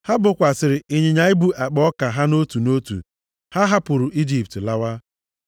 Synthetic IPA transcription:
ha˦bʊ˨kʷa˨sɪ˨ɾɪ˨ɪ˨ɲɪ˨ɲa˨˦ɪ˦bu˨ʔa˨k͡pɔ˦ka˨ɦa˦no˦tu˨no˦tṵ˨ | ha˦ɦa˦pʊ˨ɾʊ˨ʔi˦d͡ʒi˨ptla˦wa˦

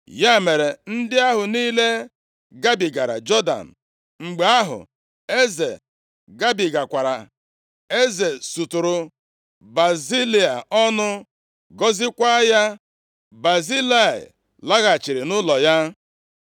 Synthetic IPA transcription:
ja˦˨me˨ɾe˨n̩˦dɪ˦a˦ɦʊ˨niː˦le˦ | ɡa˦bi˨ɡa˨ɾa̰˨d͡ʒɔ˦da̰˨n̩˨ | ŋ͡m̩˨ɡ͡be˨a˦ɦʊ̰˨ | e˦ze˨ | ɡa˦bi˨ɡa˨kʷa˨ɾa̰˨ | e˦ze˨su˨tʊ˨ɾʊ˨ | ba˨zi˦li˨a˨ɔ˦nʊ˦ | ɡɔ˦zɪ˦kʷa˦ja˦ | ba˨zi˦la˦˨ɪ̰˨ | la˦ɣa˨t͡ʃi˨ɾɪ˨nʊ˦lɔ˨ja˦

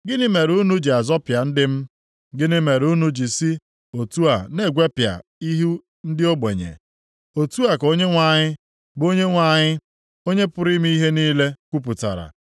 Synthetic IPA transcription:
ɡɪ˦nɪ˦me˨ɾu˦nu˦d͡ʒi˨a˨zɔ˦pja˨n̩˦dɪ˦m̩˦ | ɡɪ˦nɪ˦me˨ɾu˦nu˦d͡ʒi˨si˦ | o˨tu˦a˨ne˦˨ɡʷe˦pja̰˨i˦ɦu˦ | n̩˦dɪ˦o˦ɡ͡be˨ɲḛ˨ | o˨tu˦a˨ko˦ɲe˦ŋʷa˨ɲɪ˦ | bo˦ɲe˦ŋʷa˨ɲɪ˦ | o˦ɲe˦pʊ˦ɾi˦m˦i˦ɦe˦niː˦le˦kʷu˦p̬ʊ˨ta̰˨ɾa̰˨

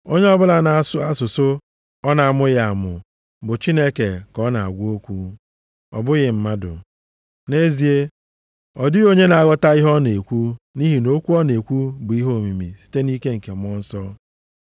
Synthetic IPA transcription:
o˦ɲe˦ɔ˦bʊ˦la˦na˨a˨sʊ˦a˦sʊ˨so˦ | ɔ˦na˨a˨mʊ˦ɣa˨a˨mʊ˨ | bʊ˨t͡ʃi˦ne˦ke˨kɔ˦na˨a̰˨ɡʷo˦kʷu˦ | ɔ̰˨bʊ˦ɣɪ˨m̩˨ma˦dʊ̰˨ | ne˦zi˨e˦ | ɔ˨dɪ˦ɣo˦ɲe˦na˨a˨ɣɔ˦ta˦i˦ɦɔ˦ne˨kʷu˦ni˦ɦi˨no˦kʷu˦ɔ˦ne˨kʷu˦bʊ˨i˦ɦo˦˨mi˨mi˨si̥˦te˦ni˦ke˦ŋ̩˨ke˨m˦ɔ˦n̩˦sɔ˦

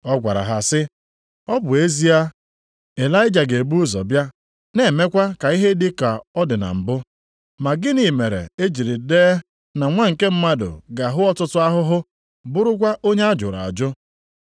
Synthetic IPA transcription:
ɔ˦ɡʷa̰˨ɾa̰˨ɦa˨sɪ˦ | ɔ˦bʊ˨e˦zi˦a˦ | e˨la˦ɪ˦d͡ʒa˨ɡe˨bu˦ʊ˦zɔ̰˨bja˦ | ne˨me˦kʷa˦ka˨i˦ɦe˦dɪ˦ka˨ɔ˦dɪ˨na̰˨m̩˨bʊ˦ | ma˨ɡɪ˦ni˨me˨ɾḛ˨e˦d͡ʒi˨ɾi˨deː˦ | na˨ŋʷa˦ŋ̩˨ke˦m̩˦ma˦dʊ̰˨ɡa˨ɦʊ˦ɔ˦tʊ˦tʊ˦a˦ɦʊ˦ɦʊ˦ | bʊ˦ɾʊ˦kʷa˦ʔo˦ɲe˦a˦d͡ʒʊ̰˨ɾa̰˨a̰˨d͡ʒʊ˦

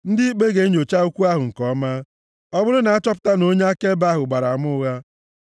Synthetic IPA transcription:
n̩˦dɪ˦i˦k͡pe˦ɡe˨˦ɲo˨t͡ʃa˦u˦kʷu˦a˦ɦʊ˨ŋ̩˨kɔ˦ma˦ | ɔ˦bʊ˦ɾʊ˦na˨a˦t͡ʃɔ˦p̬ʊ̥˦ta˦no˦ɲe˦a˦ke˦ba˦ɦʊ˨ɡ͡ba˨ɾa˨a˨mʊ˦ʊ˦ɣa˦

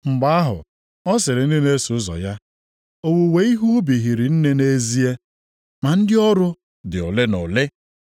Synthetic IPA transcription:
ŋ͡m̩˨ɡ͡ba˦a˦ɦʊ̰˨ | ɔ˦sɪ˨ɾɪ˨n̩˦dɪ˦ne˦sʊ˨˦zɔ̰˨ja˦ | o˦wu˨we˨˦i˦ɦu˦bi˨ɦi˨ɾɪ˨n̩˦ne˦ne˦zi˦e˦ | ma˨n̩˦dɪ˦ɔ˦ɾʊ˦ | dɪ˨ʊ̰˨lɪ˦nʊ̰˨lɪ˦

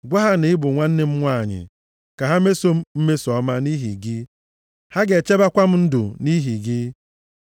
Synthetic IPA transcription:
ɡʷa˦ɦa˦ne˨ɪ˦bʊ˨ŋʷa˦n̩˦nɪ˦m̩˦ŋʷa˦˨ɲɪ̰˨ | ka˨ɦa˦me˦so˦m̩˦m̩˦me˦sɔ˦ma˦ni˦ɦḭ˨ɡɪ˦ | ha˦ɡe˨t͡ʃe˦ba˦kʷa˦m̩˦n̩˦dʊ̰˨ni˦ɦi˨ɡɪ˦

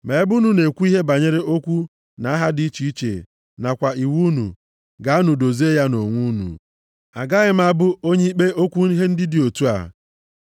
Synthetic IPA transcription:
me˨˦bu˦nu˨ne˨kʷu˦i˦ɦe˦ba˨ɲe˦ɾe˦ʔo˦kʷu˦ | na˨˦ɦa˦di˨˦i˦t͡ʃi˦i˦t͡ʃḛ˨ | na˨kʷa˨i˨wu˦nṵ˨ | ɡa˨a˦nu˨do˨ze˦ja˦no˨ŋʷu˦nṵ˨ | a˨ɡa˦ɣɪ˦m̩˦a˦bʊ˦o˦ɲe˦i˦k͡pe˦o˦kʷu˦ɦe˦n̩˦dɪ˦dɪ˨o˨tu˦a̰˨

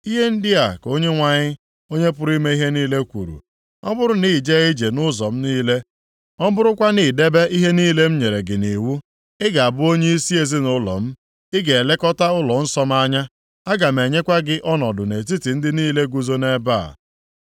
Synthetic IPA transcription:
i˦ɦe˦n̩˦dɪ˦a˨ko˦ɲe˦ŋʷa˨ɲɪ˦ | o˦ɲe˦p̬ʊ˦ɾi˦me˦i˦ɦe˦niː˦le˦kʷṵ˨ɾṵ˨ | ɔ̰˦bʊ˦ɾʊ˦ni˦˨d͡ʒe˦i˦d͡ʒe˨nʊ˦zɔ˨m̩˦niː˦le˦ | ɔ˦bʊ˦ɾʊ˦kʷa˦ni˨de˦be˦ʔi˦ɦe˦niː˦le˦m̩˦ɲe˨ɾe˨ɡɪ˨ni˨wu˦ | ɪ˦ɡa˨a˨bʊ˦o˦ɲe˦i˦si˦e˦zɪ˦nʊ˦lɔ̰˨m̩˦ | ɪ˦ɡe˨e˨le˦kɔ˦ta˦ʊ˦lɔ˨n̩˦sɔ˦m̩˦a˦ɲa˦ | a˦ɡa˨m̩e˨ɲe˦kʷa˦ɡɪ˦ʔɔ˦nɔ˨dʊ˨ne˨ti˦ti˨n̩˦dɪ˦niː˦le˦ɡu˨zo˦ne˦ba̰ː˦˨

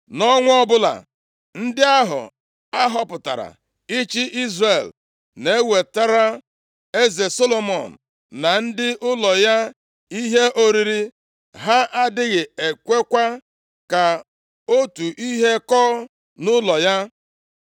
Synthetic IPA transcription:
nɔ˦ŋʷ˦ɔ˦bʊ˦la̰˨ | n̩˦dɪ˦a˦ɦʊ̰˨ | a˦ɦɔ˦pʊ˨ta̰˨ɾa̰˨ | i˦t͡ʃi˦ʔi˦zre˨l | ne˨˦we˨ta˦ɾa˦ | e˦ze˨so˦lo˨mɔ˨n̩˨ | na˨n̩˦dɪ˦ʔʊ˦lɔ˨ja˦ | i˦ɦe˦ʔo˦ɾi˨ɾi˦ | ɦa˦ʔa˦dɪ˦ɣɪ˨e˨kʷe˦kʷa˦ | ka˨ | o˦tu˨ʔi˦ɦe˦kɔː˦ | nʊ˦lɔ˨ja˦

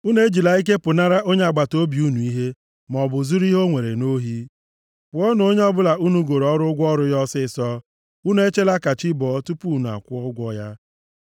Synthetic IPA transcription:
u˦n˦e˦d͡ʒi˨la˨i˦k̬e˦pʊ˨na˦ɾa˦ʔo˦ɲe˦a˨ɡ͡ba˨to˦bi˨u˦nu˨i˦ɦe˦ | m˨ɔ˨bʊ˨zu˦ɾi˦ɦo˦ŋʷe˨ɾe˨no˦ɦi˦ | pʊ˨˦ɔ˦n˦o˦ɲe˦ɔ˦bʊ˦la˨u˦nu˦ɡo˨ɾɔ˦ɾʊ˦ɡʷɔ˦ɾʊ˦jɔ˦sɪ˦˨sɔ˦ | u˦nu˦e˦t͡ʃe˦la˦ka˨t͡ʃɪ˦bɔ˨˦tu˦pu˦˨nu˨a̰˨kʷʊ˦ɔ˦ɡʷɔ˦ja˦

